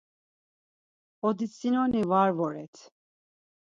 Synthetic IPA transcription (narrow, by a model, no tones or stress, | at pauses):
ɔd̪isinɔnivaɾvɔɾɛt̪ʰ